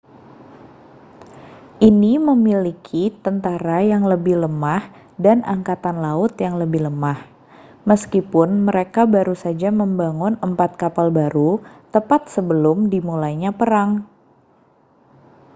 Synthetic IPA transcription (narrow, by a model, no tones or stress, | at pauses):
ʔiniməmilikʰit̪ənt̪aɾajaŋləbɪhləmah | danaŋkat̪anlaʊt̪jaŋləbɪhləmah | məskipʊnməɾekabaɾusad͡ʒaməmbaŋʊnəmpat̪̚kapalbaɾut̪əpat̪̚səbəlʊmdimulajɲapəɾaŋ